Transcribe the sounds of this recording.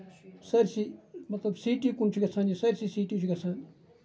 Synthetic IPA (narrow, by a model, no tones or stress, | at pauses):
saɾsimɐt̪labsiʈikunt͡ʃʰiɡasãnĩsɐɾsisiʈit͡ʃiɡasãːni